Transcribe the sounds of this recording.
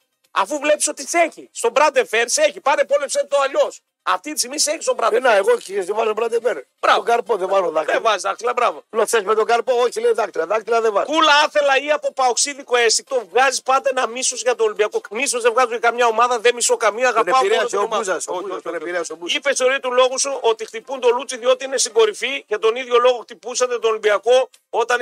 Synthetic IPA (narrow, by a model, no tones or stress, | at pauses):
ɐ̰fuvle̞piso̞t̪iseçist̪o̞bɾɐnd̪efe̞ɾseçipɐnepolepset̪t̪oɐʎo̞s | ɐ̰ft̪it̪isimiseçi̥st̪obɾɐd̪enaeɣociɾezðevɐzobɾɐnd̪efeɾ | bɾɐoɡɐɾpoðevazoðɐkevɐzizðɐkt̪ilɐbɾɐvolosezmet̪oɡɐɾpooçileiðɐk̚t̪ilɐðɐkt̪ilɐðevɐzulɐɐθe̞lɐiɐpo̞pɐoksiðiko̞est̪ik̚t̪o̞vɣɐzispɐd̪e̞nɐmisozʝɐt̪olimbiɐkomisozðevɣɐzoakɐmɲɐo̞mɐðɐðemisokɐmiɐːɣɐneɐɾeɐseomsɐsoooneiɾeɐsobuipe̞seo̞ɾit̪ulo̞ɣusuʔo̞t̪ixt̪ipund̪o̞lut͡siðio̞t̪iine̞siɡo̞ɾifiʝɐt̪o̞niðʝo̞lo̞ɣo̞xt̪ipusɐt̪e̞t̪oːlimbiɐko̞ | o̞t̪ɐn